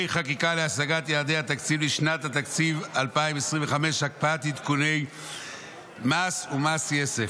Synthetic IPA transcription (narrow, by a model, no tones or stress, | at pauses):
jχakikaleasaɡat̪jaːd̪ejhat̪akt͡sivliʃnat̪hat̪akt͡sivalpaimesʁiɱveχameʃhak̚paat̪it̪kune̞j | masumasjesef